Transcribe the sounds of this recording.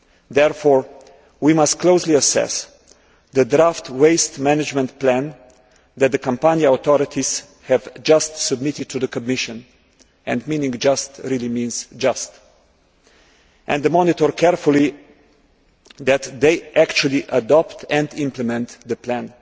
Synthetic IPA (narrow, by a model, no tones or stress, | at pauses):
ðɛɹfɔɹ | wimʌst̚kʰloʊsliəsɛ̰s | ðədɾaftweɪstmænɨd͡ʒmɛ̃ntplæ̃n | ðɛt̪̚ðəkʰə̃mpãnjaaʊt̪ɔɾɪtʰiz̥ | hɛvd͡ʒʌstsəb̚mɪtɪd̚tʰuðəkəb̚mɪʃə̃n | ʔɛ̃ndmĩnɪ̃ŋd͡ʒʌstɹilˠimĩnz̥d͡ʒʌst | ʔɛ̃nðəmɔnɪtɔɹkʰɛɹful̩ˠi | ðæt̪ðeɪʔækt͡ʃulˠiʔədɔptʰɛ̃ndɪ̃mpləmɛ̃nt̪ðəpʰlæ̃n